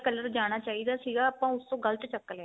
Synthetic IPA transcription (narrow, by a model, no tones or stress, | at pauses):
kələɾd͡ʒaːɽ̃aːt͡ʃaːiːd̪aːsiːɡaːəːpãːʊst̪õːɡəlt̪t͡ʃəkːəlɛː